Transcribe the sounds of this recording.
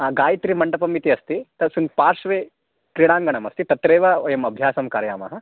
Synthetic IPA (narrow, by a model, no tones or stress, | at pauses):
aɡaːjit̪ɾimɐɳʈɐpɐmit̪iɐst̪it̪ɐsunpaːɾʂʋeː | kɾiɽ̃aːŋɡɐɳɐmɐst̪it̪ɐt̪ɾeːʋɐoːjɐmɐbʱjaːsɐmkaːɾja̰ːmɐ̰ɦɐ̆